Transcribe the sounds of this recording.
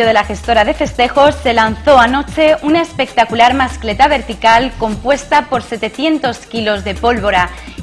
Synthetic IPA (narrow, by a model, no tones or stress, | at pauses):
oðe̞laxe̞st̪o̞ɾaðe̞fe̞st̪e̞xo̞sːe̞lan̟θo̞ano̞t͡ʃe̞ʔunaespe̞k̚t̪akulaɾmaskle̞t̪aβe̞ɾt̪ikalko̞mpwe̞st̪apo̞ɾse̞t̪e̞θje̞nt̪o̞skilo̞zðe̞po̞lβo̞ɾa